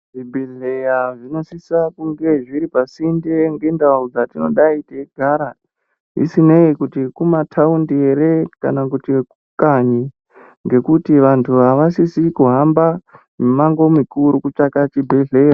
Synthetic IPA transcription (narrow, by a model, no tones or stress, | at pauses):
ʐibʱeɮejaʐino̞sisakuŋɡe̞ʐiɾipasindeŋɡe̞ndaud͡zatino̞̰ɗaiteɡʱaɾa | ɦḭsine̞ikutikumatʰaundieɾe̞ka̰nakutikukaɲi | ŋɡe̞kutiʋantʰuɦaʋasisikuɦamba | memaŋɡo̞mikuɾukut͡ʂakat͡ʃibʱeɮea